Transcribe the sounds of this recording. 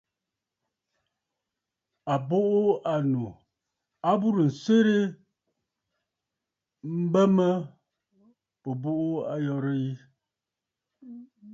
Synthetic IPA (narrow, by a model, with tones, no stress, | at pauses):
a˨bo˦ʔo˦a˨nu˨ | a˦bu˦ɾə˨n̩˨se˦ɾe˦ | m̩˦bə˦mə˦ | po˨bo˦ʔo˦a˨jɔ˦ɾə˦i˦